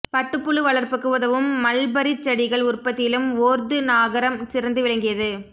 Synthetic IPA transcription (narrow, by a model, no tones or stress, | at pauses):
pɐʈːɯpːɯɭɯʋɐɭɐɾpɯkːɯʋɐðɐʋɯmːɐlbɐɾit͡ʃːɐɽɪɣɐɭʊrpːɐt̪ːɪɪlɯmoːɾd̪ɯnaːɣɐɾɐmsɪɾɐnd̪ɯʋɪɭɐŋɡɪjɐðɯ